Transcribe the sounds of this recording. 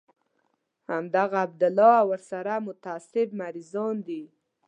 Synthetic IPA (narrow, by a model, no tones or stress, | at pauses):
hamd̪aɣaːb̚d̪ʊlɑawəɾsaɾamʊt̪aaːsɪb̚maɾizɑnd̪i